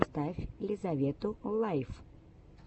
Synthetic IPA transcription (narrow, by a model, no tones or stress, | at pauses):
st̪afʲlʲɪzɐvʲet̪ʊlˠajf